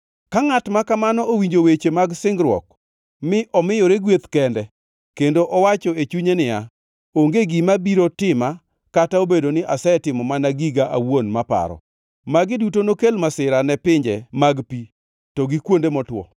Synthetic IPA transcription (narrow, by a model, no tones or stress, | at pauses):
kaŋatmakamanɔowiɲd͡ʒowet͡ʃemaɡsɪŋɡɾwɔ̰k̚ | mɪʔɔmɪjɔɾeɡwet̪kɛndɛ | kendoʔɔwat͡ʃɔet͡ʃuɲenɪa | oŋɡeɡimabiɾotɪma | kataobedonɪʔasɛɛtɪmɔmanaɡiɡaʔawonmapa̰ɾɔ̰ | maɡɪdutonokelmasɪɾanɛpɪɲd͡ʒɛmaɡpi | tɔɡɪkwondemɔtwɔ̰